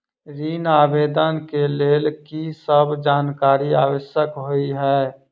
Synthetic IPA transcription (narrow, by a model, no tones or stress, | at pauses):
ɾiːnaːbeːd̪ənkeleːlkisəbd͡ʒaːnkaːɾiaːwəʃjəkɦoiɦɛː